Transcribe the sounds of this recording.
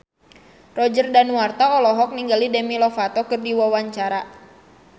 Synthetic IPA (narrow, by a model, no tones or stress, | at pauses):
rɔd͡ʒərdanuwart̪aɔlɔɦɔk̚niŋɡalidɛmilɔfat̪ɔkɨrdiwawaɲt͡ʃaɾa